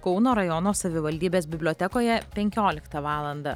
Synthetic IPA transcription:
kɔʊnoːɾɐjɔnoːsɐʋʲɪʋɐlʲd̪ʲiːbʲeːsbʲɪbʲlʲoːt̪ʲɛkoːjɛpʲɛŋʲkʲoːlʲɪkt̪ɐʋɑːlˠɐnd̪ɐ

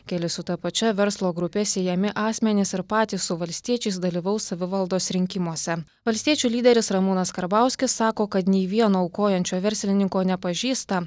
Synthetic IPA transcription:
kʲɛlʲɪsʊt̪ɐpɐt͡ʃʲɛʋʲɛɾslˠoːɡɾʊpʲɛsʲeːjɛmʲɪʔɑːsʲmʲɛnʲɪsɪɾpɑːt̪ʲiːssʊʋɐlʲsʲt̪ʲiɛt͡ʃʲɛɪsd̪ɐlʲiːʋɐʊsɐʋʲɪʋɐlˠd̪oːsɾʲɪŋʲkʲɪmuɔsʲɛ | ʋɐlʲsʲt̪ʲiɛt͡ʃʲuːlʲiːd̪ʲɛɾʲɪsɾɐmʊnɐskɐɾbɑˑʊsʲkʲɪsːɑːkoːkɐt̪nʲɛɪʋʲiɛnoːʊkoːjɛnʲt͡ʃʲoːʋʲɛɾʲsʲlʲɪnʲɪŋkoːnʲɛpɐʒʲiːst̪ɐ

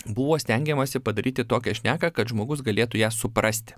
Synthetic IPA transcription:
bʊʋoːsʲt̪ʲɛŋʲɡʲɛmɐsʲɪpɐd̪ɐɾʲiːt̪ʲɪt̪oːkʲɛʃʲnʲæːkɐkɐt̪ʒmoːɡʊsɡɐlʲeːt̪ʊjæːsʊpɾɐsʲt̪ʲɪ̥

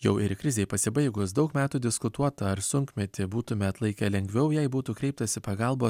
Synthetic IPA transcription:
jɛʊɪɾkɾʲɪzʲeɪpɐsʲɪbɐɪɡʊsd̪ɒʊkmʲæːt̪uːd̪ʲɪskʊt̪uɔt̪ɐɐɾsʊŋkmʲɛt̪ʲɪbuːt̪ʊmʲɛɐt̪lˠɐɪkʲɛlʲɛŋʲɡʲʋʲɛʊjɛɪbuːt̪uːkɾʲɛɪp̚t̪ɐsʲɪpɐɡɑlˠboː

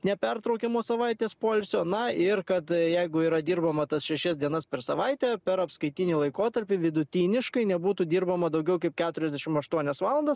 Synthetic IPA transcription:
nʲɛpʲɛɾt̪ɾɐʊkʲɛmoːsɐʋɐɪt̪ʲeːspoːlʲsʲoːnɐɪrkɐt̪jɛɪɡʊiːɾɐd̪ʲiːɾbɐmɐt̪ɐsʃʲɛʃʲɛsd̪ʲiɛnɐspʲɛɾsɐʋɐɪt̪ʲeːpʲɛɾɐpskɐɪt̪ʲinʲiːlˠɐɪkoːt̪ɐɾʲpʲɪʋʲɪd̪ʊt̪ʲiːnʲɪʃkɐɪnʲɛbuːt̪uːd̪ʲiːɾbɐmɐd̪ɐʊɡʲɛʊkɐɪp̚kʲæːt̪ʊɾʲɛzʲd̪ʲɛʃʲɪmɐʃt̪uɔnʲɛsʋɑːlˠɐnd̪ɐs

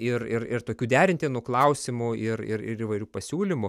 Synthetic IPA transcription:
ɪrɪrɪrt̪oːkʲuːd̪ʲæːɾʲɪnʲt̪ʲeːnuːklˠɐʊsʲɪmʊɪɾɪ̰ɾɪ̰ɾiːʋɐɪɾʲuːpɐsʲuːlʲɪmʊ

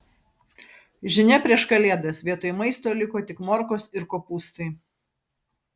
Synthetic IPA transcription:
ʒʲɪnʲɛpʲɾʲiɛʃkɐlʲeːd̪ɐsʋʲiɛt̪oːjmɐɪst̪oːlʲɪkoːt̪ʲɪkmɔɾkoːsɪɾkoːpuːst̪ɐɪ

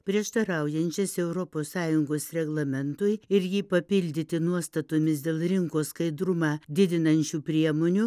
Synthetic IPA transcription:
pʲɾʲiɛʃt̪ɐɾɐʊjɛnʲt͡ʃʲɛsɛʊɾɔpoːssɑːjʊŋɡoːsɾʲɛɡlˠɐmʲɛnt̪ʊɪɪɾjiːpɐpʲɪlʲd̪ʲɪt̪ʲɪnuɔst̪ɐt̪oːmʲɪsd̪ʲeːlˠɾʲɪŋkoːskɐɪd̪ɾʊmɑːd̪ʲɪd̪ʲɪnɐnʲt͡ʃʲuːpʲɾʲiɛmoːnʲu

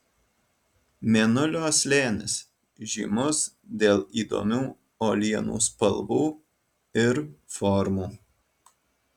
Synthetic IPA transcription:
mʲɛnʊlʲoːsʲlʲeːnʲɪ̰s | ʒʲḭːmʊs | d̪ʲeːlˠiːd̪o̰ːmʲuː | oːlʲiɛnṵːspɐlˠbuː | ɪɾfɔɾmuː

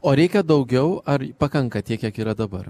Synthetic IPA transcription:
oːɾʲɛɪkʲɛd̪ɒʊɡʲɛʊɐɾpɐkɐŋkɐt̪ʲiɛkjʲiɛkiːɾɐd̪ɐbɐr

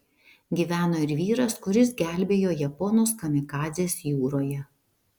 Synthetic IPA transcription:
ɡʲiːʋʲæːnoːɪɾʋʲiːɾɐskʊɾʲɪsɡʲæˑlʲbʲeːjoːjɛpɔnoːskɐmʲɪkɑːzʲeːsjuːɾoːjɛ

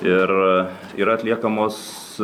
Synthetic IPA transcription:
ɪɾ | ḭːɾɐɐt̪ʲlʲiɛkɐmos

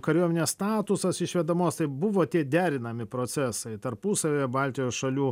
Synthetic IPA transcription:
kɐɾʲuɔmʲɪnʲeːsst̪ɑːt̪ʊsɐsɪʃʲʋʲɛd̪ɐmoːst̪ɐɪbʊʋoːt̪ʲiɛd̪ʲæːɾʲɪnɐmʲɪpɾoːt̪sʲɛsɐɪt̪ɐɾpusɐʋʲeːjɛbɑlʲt̪ʲɪjoːsʃɐlʲuː

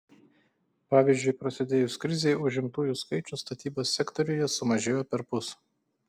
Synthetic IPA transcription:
pɑːʋʲiˑzʲd͡ʒʲʊɪpɾɐsʲɪd̪ʲeːjʊskɾʲɪzʲeɪʊʒʲɪmt̪uːjuskɐɪt͡ʃʲʊst̪ɐt̪ʲiːboːsʲːɛkt̪ɔɾʲʊjɛsʊmɐʒʲeːjoːpʲɛɾpʊs

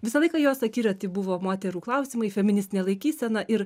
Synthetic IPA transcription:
ʋʲɪsɐlˠɐɪkɐjoːsɐkʲiːɾʲoːtt̪ʲɪbʊʋoːmoːt̪ʲɛɾuːklˠɐʊsʲɪmɐɪfʲɛmʲɪnʲɪsʲt̪ʲɪnʲeɛlˠɐɪkʲiːsʲɛnɐʔɪɾ

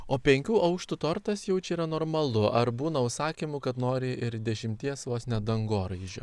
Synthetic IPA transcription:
oːpʲɛŋʲkʲuːʔɐʊkʃt̪ʊt̪oːɾt̪ɐsjɛʊt͡ʃʲɛiːɾɐnoːɾmɐlˠʊʔɐɾbuːnɐʊʃsɑːkʲiːmʊkɐt̪noːɾʲɪʔɪɾd̪ʲɛʃʲɪmʲt̪ʲiɛsʋoːsnʲɛd̪ɐŋɡoːɾɐɪʒʲo̰ː

